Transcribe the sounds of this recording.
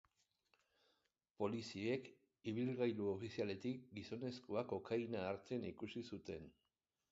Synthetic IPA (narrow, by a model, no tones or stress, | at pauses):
po̞lisie̞k | iβ̞ilɣajluo̞fisiale̞t̪ik̚ɡiso̞ne̞skoako̞kajnaːɾt͡senikusisut̪e̞n